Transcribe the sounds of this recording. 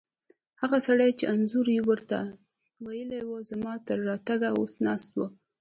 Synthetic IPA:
haɣasaɽajt͡ʃeanzuɾjiwəɾt̪a̰ | wajəlewəzamɑt̪əɾːɑt̪aɡao̰snɑst̪wə

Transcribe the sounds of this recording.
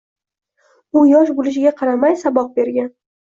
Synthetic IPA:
ʊjɒʃ̬bolɪʃ̬ɪɡʲaqʰɑɾamajsabɒq̚be̞ɾɡʲan

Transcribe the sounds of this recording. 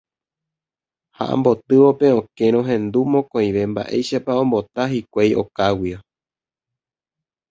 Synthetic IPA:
ha̰ʔã̰mbo̞t̪ɨʋo̞pe̞õke̞ɾ̃õɦẽ̞nd̪umõkõĩʋe̞mba̰ʔe̞̰jʃapaõ̞mbo̞t̪aɦikʷejʔo̞kawio

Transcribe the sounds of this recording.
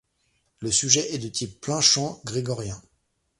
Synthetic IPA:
ləsyʒɛʔɛd̪ət̪ʰipːlɛ̃ʃɑ̃ɡʁeɡɔʁjɛ̃

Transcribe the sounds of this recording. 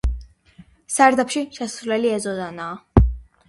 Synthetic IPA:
saɾd̪apʃiʃɛsɾulɛliɛzɔzanaː

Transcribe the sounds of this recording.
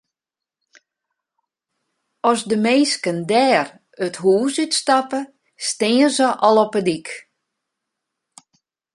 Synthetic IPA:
ɔsdəmeːskəndɛːr | əthuːsytstapə | stɪːəzəʔɔlˠɔpədik

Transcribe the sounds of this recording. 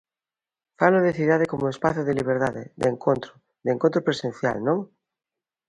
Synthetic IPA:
faloðeθiðað̞ekomʊespaθʊðɪliβ̞eɾðaðɪ̰ðeŋkʰont̪ɾʊ | ðeŋkõnt̪ɾopɾesẽn̟θja̰lnõŋ

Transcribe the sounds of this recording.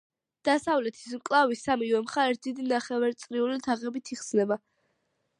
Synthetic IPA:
d̪̥asavlɛt̪ʰi̥smkʼlˠavisːamivɛmχaɛt̪̚ʰd̪̥id̪inaχɛvaɾt̪sʼɾiulit̪ʰaʁɛbit̪ʰiχsnɛba

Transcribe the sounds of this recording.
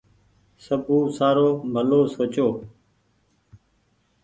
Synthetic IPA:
səbũːsaːɾoːbʱəloːsoːt͡ʃoː

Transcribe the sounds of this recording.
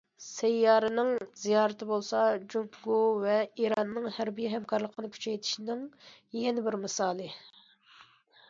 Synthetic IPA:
sɛjːɑːɾɨnɪŋz̥ijɑːɾɨt̪ɪbolˠsɑd͡ʒumpɡovɛiɾɑnːɨŋhæɾbijɛɦɛmkʰɑɾlˠəqʰənɨkʲʰy̥t͡ʃʰɛjt̪ʰi̥ʃinɪŋjɛnɪbɪɾmɨsɑːlˠɨ

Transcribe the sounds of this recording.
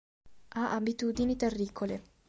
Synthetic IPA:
aʔabit̪uːd̪init̪erːikʰole

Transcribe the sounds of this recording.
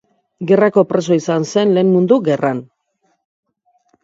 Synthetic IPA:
ɡe̞rako̞pɾe̞so̞isanse̞nle̞ːnmund̪uɡe̞rʔan

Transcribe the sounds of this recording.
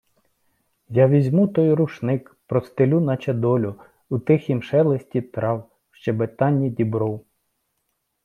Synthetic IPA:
jɑʋʲizʲmut̪ɔjɾuʃnɪkpɾɔst̪elʲunɐt͡ʃɛd̪ɔlʲʊ | ut̪ɪxʲimʃɛlˠesʲtʲit̪ɾɑw | ʃt͡ʃɛbet̪ɑnʲːidʲibɾɔw

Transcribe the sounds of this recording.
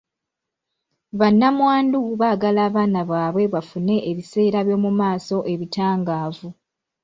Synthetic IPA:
βanːamwaːnduβaːɡalaːβaːnaβaːβwe̞βafune̞ʔːβise̞ːɾaβjo̞ːmumaːso̞ʔe̞βitaːŋɡaːvu

